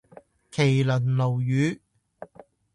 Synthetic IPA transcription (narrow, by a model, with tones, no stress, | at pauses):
kʰe˨˩jlɵ˨˩nlo˨˩wjyː˨˥